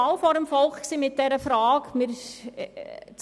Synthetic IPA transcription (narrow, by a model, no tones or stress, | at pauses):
ɑlfɔɾəmfɔlχksiːmɪt̚d̥ɛɾəfɾɑːkmɪɾ | t͡s